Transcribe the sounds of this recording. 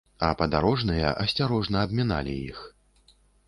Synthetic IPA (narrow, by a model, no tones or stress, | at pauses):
ɐpɐd̪aɾɔʐnɨjɐ̰ʔɐsʲt͡sʲaɾɔʐnɐːbmʲana̰lʲḭjix